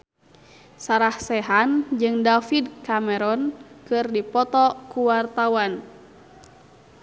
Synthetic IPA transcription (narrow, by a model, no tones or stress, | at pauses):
saɾahsɛɦand͡ʒɨŋdafidkamɛɾɔnkɨrdipɔt̪ɔkuwart̪awan